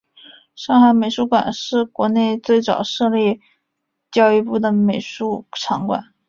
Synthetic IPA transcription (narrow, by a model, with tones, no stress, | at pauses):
ʂɑ˥˩ŋxa˧˥ɪme˨˩ɪʂu˧˥kwa̰˨˩nʂɻ̩˥˩kwɔ˧˥ne˥˧ɪt͡swe˥˩ɪt͡sɑ̰˨˩ʊʂɤ˥˧lɛ˥˩ | t͡ɕjɑ˥˧ʊi˥˧pu˥˩d̪ə˩me˨˩ɪʂu˥˩ʈ͡ʂʰɑ˧˥ŋkwa̰˨˩˦n